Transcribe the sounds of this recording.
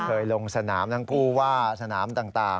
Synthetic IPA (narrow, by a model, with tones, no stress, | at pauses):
kʰɤː˧jlo˧ŋsa˧naː˩˦mt̪ʰa˦˥ŋkʰuː˥˩waː˥˩sa˧naː˩˦mt̪aː˨˩ŋt̪aː˨˩